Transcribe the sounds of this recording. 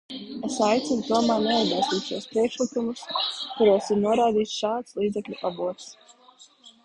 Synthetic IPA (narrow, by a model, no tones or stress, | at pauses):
esajt̪sinut̪uɔmaːnɛizɡɛlst̪iːt̪ʃuɔspɾiɛkʃlˠikumuskuɾuɔsiɾnuɔɾaːd̪iːt̪sʃaːt̪slˠiːd̪zɛklʲuʔabuɔt̪s